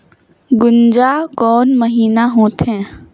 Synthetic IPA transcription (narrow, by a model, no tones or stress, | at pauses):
ɡʊnd͡ʒaːkɔːnməɦiːnaɦõːt̪ɦɛ̃ː